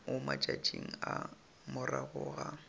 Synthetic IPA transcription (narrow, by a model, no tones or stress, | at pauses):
ʊmat͡ʃʼad͡ʒʼiŋ̩a | mʊraɣʊːɣa